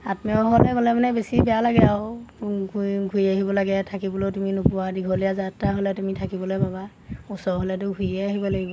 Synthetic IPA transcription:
atmɔɦɔlɛɡɔlɛmanɛbesibɛjalaɡɛaw | ɡʱujaɦibɔlaɡɛtʰakibɔlotuminʊpuwadiɡʱɔlijazatːaɦolɛtumitʰakibɔlojbaba | usɔɦɔlɛt̬ʊɡʱujɛaɦibɔlaɡibɔ

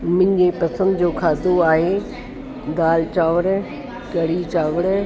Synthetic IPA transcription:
mɪ̃ɲɡepɐsə̃nd̪d͡ʑoːkʰaːd̪oaːɦe | d̪aːlt͡ɕaːʋəɾ | kɐɽit͡ɕaːʋəɾ

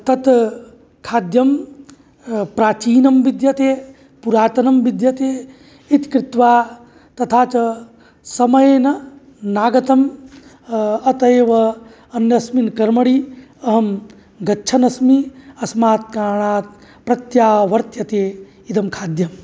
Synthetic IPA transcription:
t̪ɐt̪ | kʰaːd̪jɐm | pɾaːt͡ʃiːnɐmʋid̪jɐt̪eː | puɾaːt̪ɐnɐmʋid̪jɐt̪eː | it̪kɾɪt̪ʋaː | t̪ɐt̪ʰaːt͡ʃɐ | sɐmɐjeːnɐ | naːɡɐt̪ɐm | ɐt̪ɐeːʋɐ | ɐnjɐsminkɐɾmɐɽi | ɐɦɐm | ɡɐtːt͡ʃʰɐnɐsmiɐsmaːt̪̚kaːɳ̃aːt̪̚ | pɾɐt̪jaːʋɐɾt̪jɐt̪eː | id̪ɐmkʰaːd̪jɐm

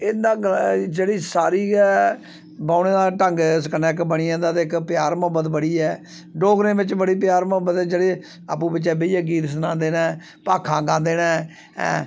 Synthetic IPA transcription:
ɪnd̪ãːɡd͡ʒeːɽiːsaːɾiːɛː | bãːʊneːd̪aːʈəŋɡsəkənɛːkbəɳiːãːd̪aːt̪eɪkpjaːɾməbət̪bəɽiːɛː | ɖoːɡɾẽːbɪt͡ʃbəɽiːp̬jaːɾməbət̪ɛːd͡ʒeːɽeː | aːpũːbɪt͡ʃɛːbeiɛːɡiːt̪snãːnd̪eːnãː | paːkʰãːɡãːnd̪eːnãː | ɛ̰̃ː

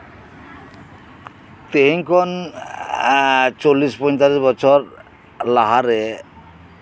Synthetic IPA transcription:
t̪eɦiŋkʰɔn | t͡ʃolispɔjɲt̪alisbɔt͡ʃʰɔɾ | laɦaɾe

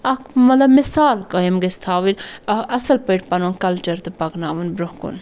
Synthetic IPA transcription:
ɐkmɐt̪lɐbmɪsaːlkɐimɡest̪ʰaːʋilɐɐsɐlpəʈpɐnunkɐlt͡ʃɐɾt̪ɨpɐɡnaːʋunbɾohkṵn

